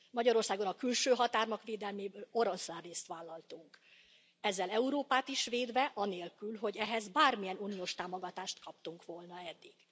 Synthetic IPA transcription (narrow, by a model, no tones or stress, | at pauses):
mɒɟɒɾo̞rsaːɡo̞nɒkylʃøːɦɒt̪aːrmɒkʋeːd̪ɛlmeːbøːlo̞ɾonslarːeːst̪ʋaːlːɒlt̪uŋk | ɛzːɛlɛuɾoːpaːt̪iʃʋeːd̪ʋɛʔɒneːlkylɦo̞ɟɛɦɛzbaːrmijɛnunijoːʃt̪aːmoɡɒt̪aːʃt̪kɒp̚t̪uŋkʋo̞lnɒɛd̪ːiɡ̥